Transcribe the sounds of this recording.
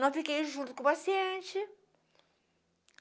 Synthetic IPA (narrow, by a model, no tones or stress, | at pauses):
nɐ̃w̃fikejĩʒũnt̪u̥kũpasiẽnt͡ʃɪ